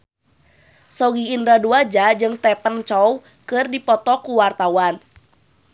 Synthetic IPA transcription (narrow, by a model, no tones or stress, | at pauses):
sɔɡiːndɾaduad͡ʒad͡ʒɨŋst̪ɛpənt͡ʃɔw | kɨrdipɔt̪ɔkuwart̪awan